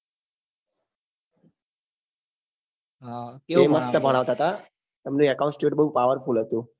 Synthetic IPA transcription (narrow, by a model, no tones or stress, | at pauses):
ɦateməst̪əbʱəɽ̃aʋt̪aɦət̪a | t̪əmnũəkaũnsʈjeʈ̚bəɦũpaʋəɾfulɦət̪ũ